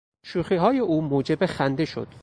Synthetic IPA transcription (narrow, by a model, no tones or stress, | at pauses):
ʃuːxiːɦɒːjeʔuːmoːd͡ʒebexænd̪e̞ʃo̰d̪̥